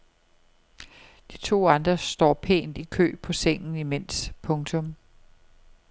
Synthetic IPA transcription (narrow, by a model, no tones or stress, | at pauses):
d̥it͡sʰo̝̰ːɑ̈nd̥ʁɐsd̥ɒ̰ːpʰe̝̰ːnd̥ikʰø̰ːpʰɒ̽seŋ̰n̩imen̰spʰɔ̽ŋt͡sʰɔ̽m